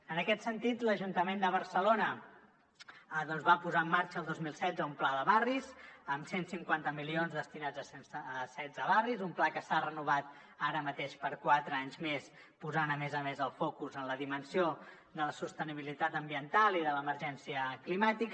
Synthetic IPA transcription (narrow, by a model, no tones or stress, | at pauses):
ənəkɛt̪sənt̪it̪ləʒunt̪əmend̪əβəɾsəlonə | ðɔnzβapuzaəmːaɾt͡ʃəːlˠd̪ozmilˠsɛdzəumplaðəβarizəmsensiŋkwant̪əmilionzðəst̪inad͡zəsnəsɛdd͡zəβarizumplakəsarənuβ̞at̪ | aɾəmət̪eʃpəɾkwat̪ɾəaɲzmes | puzanəmɛzəmezəlˠfɔkuzənləðimənsio | ðələsust̪əniβilit̪at̪əmbiənt̪alˠiðələməɾʒɛnsiəklimat̪ik